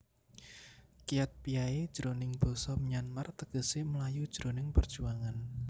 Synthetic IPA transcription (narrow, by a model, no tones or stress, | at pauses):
kijat̪̚piaed̥ʒ̥əɾonɪŋb̥o̤sɔməɲanmart̪əɡ̥ə̤seməlajud̥ʒ̥ɾonɪŋpərd̥ʒ̥uaŋan